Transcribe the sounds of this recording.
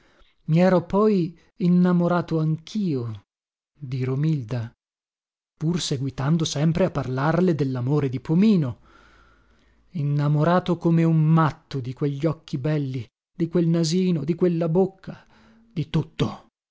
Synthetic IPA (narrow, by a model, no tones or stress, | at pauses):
miɛːɾopɔj | inːamoɾaːt̪oaŋkʰiːo | d̪iɾomild̪a | purseɡwit̪and̪osɛmpɾeapːarlarled̪elːamoːɾed̪ipomiːno | inːamoɾaːt̪okomeummat̪ːod̪ikweʎːɔkʰːibɛlːi | d̪ikwelnaziːnod̪ikwelːabokʰːa | d̪̥it̪ut̪ːo